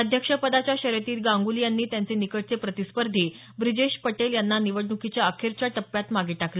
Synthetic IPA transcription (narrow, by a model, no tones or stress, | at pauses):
əd̪ʱjəkʂəpəd̪at͡ɕjaɕəɾjet̪iːlɡãŋɡulijanːiːt̪jant͡senikəʈ̚t͡sepɾət̪ispəɾd̪ʱiː | bɾid͡ʑeɕpəʈeljanːaniʋəɽɳukit͡ɕjaəkʰeɾt͡ɕjaʈəpːjat̪maɡiːʈakle